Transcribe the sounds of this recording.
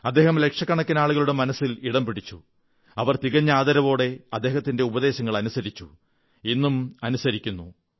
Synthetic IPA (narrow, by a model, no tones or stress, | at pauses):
ɐd̪ːe̞ːhɐmle̞kʂɐkːɐɳɐkːɐnaːɭuɣɐɭuɽe̞mɐnɐsːiliɽɐmpiɽit͡ɕːṵ | ɐʋɐrt̪iɣɐɲːaːðɐɾɐʋo̞ːɽe̞ɐd̪ːe̞ːɦɐt̪ːinde̞ubɐðe̞ːɕɐŋːɐɭɐnusɐɾit͡ɕːu | inːumɐnusɐɾikʲːunːu